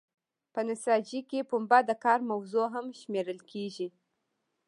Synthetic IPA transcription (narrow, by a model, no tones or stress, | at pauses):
pənɪsɑd͡ʒikepumbad̪əkɑɾmawzoɦamʃmeɾəlkʰeʒi